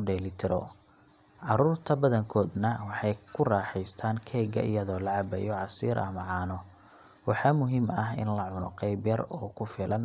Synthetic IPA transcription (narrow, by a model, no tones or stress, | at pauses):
ɖɛːlɪt̪ʰɪɾɔ̰ | ʕɑɾuːrt̪ʰɐbɐðɐŋkʰɔːd̪nɐwɑħɑjkʰʊrɑːħɛjst̪ʰaːŋkʰɛːɡɐ̰ʔɪ̰jɐðɔːlɐʕɑbɛ̰jɔʕɑsiːɾʔɐ̰mɐʕɑːnɔ | wɑħɑmʊɦimɐɦɪ̰nlɐʕʊnɔ̰qɛjbjɐrɔːkʰʊfɪlɐn